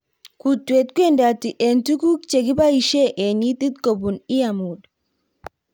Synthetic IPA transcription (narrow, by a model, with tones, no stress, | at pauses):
ku˨twe˨t̚ku˦e˦nda˨ti˨ʔe˨ntu˦ku˦k̚t͡ʃe˨ki˦ba˦i˨ʃe˦ʔe˨ni˦ti˦tko˨bu˨ni˦ja˨mu˨d